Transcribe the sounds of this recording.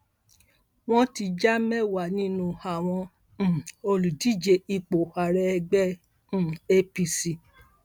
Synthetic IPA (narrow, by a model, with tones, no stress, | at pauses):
w̃ɔ̃˦ti˧d͡ʒa˦mɛ˦wa˨nĩ˦nũ˧a˨w̃ɔ̃˧˨ | o˧lu˨di˦d͡ʒe˧i˧k͡po˨a˨ɾɛ˧ɡ͡bɛ̃˦˨ | e˦pi˧si˧